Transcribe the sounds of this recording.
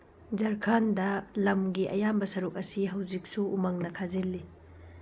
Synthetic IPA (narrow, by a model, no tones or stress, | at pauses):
d͡ʒɐɾkʰandɐlɐmɡiʔɐ̰jambɐsɐɾuk̚ɐsiɦɐwzik̚suumɐŋnɐkʰazilːi